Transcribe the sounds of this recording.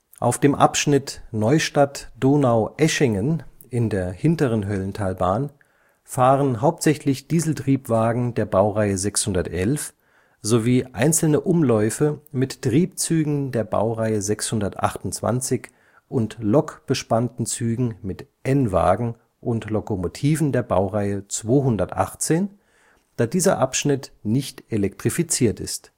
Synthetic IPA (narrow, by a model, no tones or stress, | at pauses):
ʔa̰ʊfd̥eːmʔa̰pʃnɪtnɔʏʃtatd̥oːnaʊʔɛʃɪŋən | ʔɪndeːɐhɪntəʁənɦœlntʰaːlbaːn | faːʁənɦaʊp̚tz̥ɛçlɪçd̥iːzl̩tʁ̥iːpv̥aːɡŋ̩deːɐbaʊʁaɪəzɛkshʊndɐtʔɛlf | z̥oviːʔa̰ɪnt͡sl̩nəʔʊmlɔʏfəmɪttʁ̥iːp̚t͡syːɡŋ̩deːɐba̰ʊʁaɪəzɛkshʊndɐtʔa̰χtʊntt͡sv̥a̰nt͡sɪç | ʔʊntlɔkb̥əʃpantn̩t͡syːɡŋ̩mɪtʔɛnva̰ːɡŋ̩ | ʔʊntlokomotʰiːvn̩deːɐba̰ʊʁaɪət͡sv̥oːɦʊndɐtʔa̰χt͡seːn | d̥aːdiːzɐ̰ʔapʃnɪtnɪçtʔelɛk̚tʁ̥ifit͡siːɐtɪ̰st